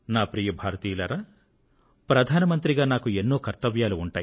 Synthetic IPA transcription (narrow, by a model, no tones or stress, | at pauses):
naːpɾiːjɐbʱaːɾɐt̪iːlɐɾaː | pɾɐd̪ʱaːnɐmɐnt̪ɾiɡaːnaːkuenːoːkɐɾt̪ɐʋjaːluːɳʈaːji